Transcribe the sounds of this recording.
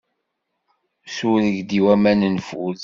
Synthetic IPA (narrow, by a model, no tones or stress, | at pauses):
suɾəʝd̪iwæmænənfuð